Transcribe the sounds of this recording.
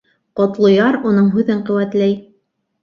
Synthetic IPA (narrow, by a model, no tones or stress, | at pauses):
qŏt̪lˠŏjɑɾunɤɴɦʉðɘɴqɘ̆wæt̪læj